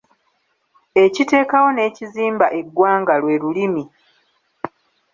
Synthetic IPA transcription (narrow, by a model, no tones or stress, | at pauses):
e̞cite̞ːkawo̞ne̞ːciziːmbaʔe̞ɡːwaːŋɡalwe̞ːɾulimi